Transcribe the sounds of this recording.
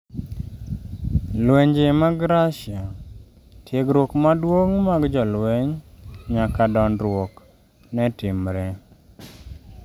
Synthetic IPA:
lweɲd͡ʒemaɡɾaʃia | tjeɡɾwokmadwoŋmaɡd͡ʒɔlweɲɲakadɔnɾwok | nɛtɪmɾɛ

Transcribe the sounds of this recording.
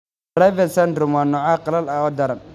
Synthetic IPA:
dɾajvɛnsɐnd̪ɾʊmwaːnɔːʕaːqɑlɐlɐɔːd̪ɐɾɐn

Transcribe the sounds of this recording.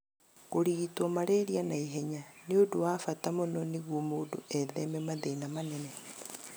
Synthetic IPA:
koɾitɔmaɾeɾianaiɦeɲaneodowafatamonɔniɣwomodoʔɛðɛmɛmaðeinamanɛnɛ

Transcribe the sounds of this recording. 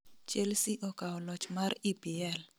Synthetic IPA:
t͡ʃelsiʔɔkaɔlɔt͡ʃmaripiɛl

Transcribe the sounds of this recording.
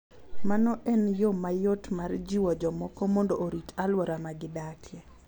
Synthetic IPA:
manɔʔɛnjomajotmard͡ʒiwɔd͡ʒɔmɔkɔmɔndoʔoɾitalwɔɾamaɡɪdakjɛ

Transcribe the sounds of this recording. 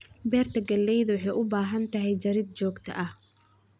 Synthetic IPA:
bɛːrt̪ʰɐɡɐlːɛjðʊwħɑjʔʊbaːɦɐnt̪ʰɐɦɛjt͡ʃɐɾɪd̪̚t͡ʃɔːɡt̪ʰɐ̰ʔɐh

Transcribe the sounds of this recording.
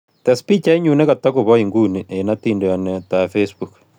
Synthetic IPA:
tɛspit͡ʃaiɲunekatakuβɔiŋɡuːniʔenatindojanɛtafesbuk

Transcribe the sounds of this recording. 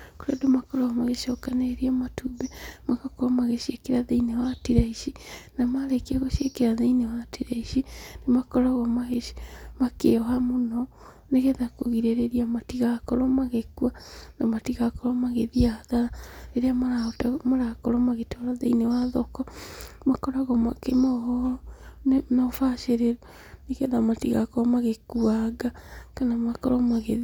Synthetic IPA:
oɾadomakɔɾaɣɔmaɣeʃɔkaneɾiamatubɛmaɣakɔɾɔmaɣeʃiekeɾaðeinewatiɾaiʃinamaɾekieɣoʃiekeɾaðeinewatiɾaiʃinemakɔɾaɣɔmaɣe̥makḛɔamonɔ | neɣeðako̰ɣiɾeɾeɾiamatiɣakɔɾɔmaɣekuanamatiɣakɔɾɔmaɣeðiaðaɾaeɾeamaɾatamaɾakɔɾɔmaɣetaɾaðḛinewaðɔkɔmakɔɾaɣɔmakemɔhɔnnɔfaʃeɾeɾu | eɣɛðamatiɣakɔɾɔmaɣekuaɡakanamakɔɾɔmaɣeði

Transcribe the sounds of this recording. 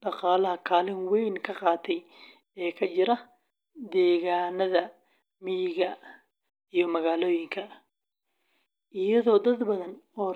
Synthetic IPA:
ɖɑqɑːlɐɦɐkʰaːlɪnwɛjnkʰɐqɑːt̪ʰɛj | ɛːkʰɐt͡ʃɪɾɐ | d̪ɛːɣaːnɐðɐ | mɪjɪɣɐ | ijɞmɐɣaːlɔːjɪŋkʰɐ | ʔɪjɐðɔːd̪ɐd̪bɐðɐnɔː

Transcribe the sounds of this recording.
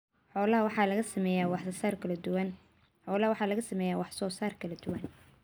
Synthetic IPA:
ħɔːlɐɦɐwɑħɑːlɐɣɐsɐmɛːjaːwɑħsɐsaːrkʰɐlɐd̪ʊwɐn | ħɔːlɐɦɐwɑħɑːlɐɣɐsɐmɛːjaːwɑħsɔːsaːrkʰɐlɐd̪ʊwɐn

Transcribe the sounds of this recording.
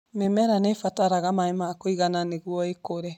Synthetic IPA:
memɛɾanefataɾaɣamaemakoiɣananeɣwɔekoɾɛ

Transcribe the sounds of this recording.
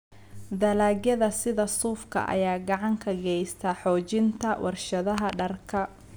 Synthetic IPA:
d̪ɐlaːɡjɐðɐsɪðɐsuːfkʰɐ̰ʔɐ̰jaːɡɑʕɑŋkʰɐɡɛjst̪ʰɐħɔːt͡ʃɪnt̪ʰɐwʔɑrʃɐðɐɦɐɖɐrkʰɐ

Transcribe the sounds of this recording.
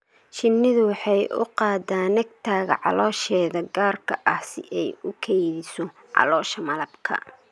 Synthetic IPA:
ʃɪnːɪðʊwɑħɑjʔʊ̰qɑːd̪aːnːɐɡ̚t̪ʰaːɣɐ̰ʕɑ̰lɔːʃɛːðɐɡaːrkʰɐʔɐhsɪ̰ʔɛjʊkʰɛjðɪsɔ | ʕɑ̰lɔːʃɐmɐlɐbkʰɐ̰

